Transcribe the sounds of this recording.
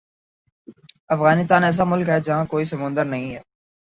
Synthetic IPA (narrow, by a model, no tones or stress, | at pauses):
ɐfɣaːnɪs̬t̪aːnɛːs̬amʊlkɦɛːd͡ʒɐɦãkoːisəmʊ̃nd̪əɾnəɦĩɦɛː